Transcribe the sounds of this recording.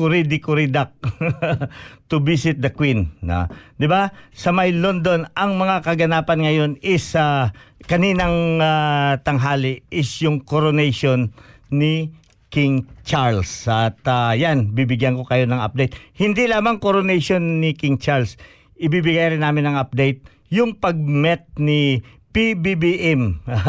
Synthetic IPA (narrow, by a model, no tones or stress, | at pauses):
kʊɾid̪ɪkʊɾid̪ak̚ | t̪ʊbisɪt̪̚d̪ɐkwin̰ | d̪ɪbasɐmɐjlond̪o̞nʔɐŋmɐŋakɐɡɐnaːpɐnŋɐjo̞nɪsakɐniːnɐŋat̪ɐŋɦaːlɪʔɪsjʊŋkoɾonɛjʃonːɪ | kɪŋt͡ʃaɹlsɐt̪ajanbibɪɡjɐnko̞kɐjo̞nɐŋɐ̰p̚d̪ejt̪̚hɪnd̪ilaːmɐŋkoɾonɛjʃo̞nːɪkɪŋt͡ʃaɹls | ʔɪbibɪɡajɾɪnːaːmɪnɐŋɐp̚d̪ɛjt̪̚ | jʊŋpɐɡ̚mɛt̪̚nɪpibibiʔɛm